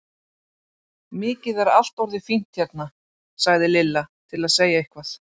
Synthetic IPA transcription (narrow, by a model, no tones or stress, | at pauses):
mɪːcɪðɛɾa̰l̥t̪ɔɾðɪfin̥t̪çɛɾt̪̚na | saɣðɪlɪlːat̪ʰɪlaðseːjaɪhkvaθ